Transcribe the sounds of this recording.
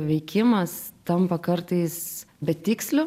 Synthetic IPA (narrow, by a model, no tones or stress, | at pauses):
ʋʲɛɪkʲɪmɐst̪ɐmpɐkɐɾt̪ɐɪs | bʲɛt̪ʲɪksʲlʲʊ